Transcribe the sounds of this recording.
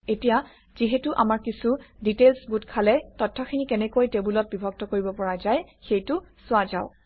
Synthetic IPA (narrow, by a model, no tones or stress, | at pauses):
etija | z̥iɦɛtuʔamaɹkisuditelsɡutkʰalɛtɔtʰːɔkʰinikɛnɛkojtebulɔt̚bibʱɔk̚tɔkoɹibɔpɔɹazajxejtʊ | sʊazaʊ